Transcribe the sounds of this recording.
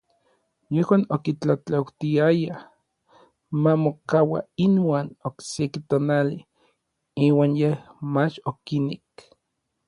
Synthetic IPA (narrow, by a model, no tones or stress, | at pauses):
jehwaːnokit͡ɬat͡ɬawt̪iaja | mamokawa̰inwaːnoksekit̪oːnali | iːwaːnjehmat͡ʃokinek